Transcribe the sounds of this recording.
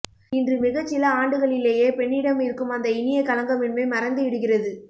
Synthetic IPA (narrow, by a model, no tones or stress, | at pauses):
ɪndrɯmɪɣɐt͡ʃːɪlɐaːɳɖɯɣɐɭɪleːjeːpɛɳːɪɽɐmɪɾɯkːɯmɐnd̪ɐɪnɪjɐkɐlɐŋɡɐmɪɳmɐɪmɐɾɐnd̪ɯɪɽɯɣɪrɐðɯ